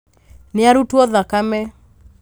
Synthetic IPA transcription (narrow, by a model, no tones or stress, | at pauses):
nɪaɾutwɔðakamɛ